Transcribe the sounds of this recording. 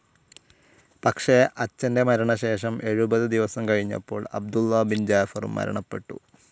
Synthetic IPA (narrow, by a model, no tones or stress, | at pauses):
pɐkʂe̞ʔɐt͡ɕːɐnde̞mɐɾɐɳɐɕe̞ːʂɐmʔe̞ɻubɐðɨd̪iʋɐsɐmkɐɻiɲːɐ̰pːo̞̰ːɭɐ̰bd̪ulːɐbind͡ʑaːfɐrṵmːɐ̰ɾɐ̰ɳɐpːe̞ʈːṵ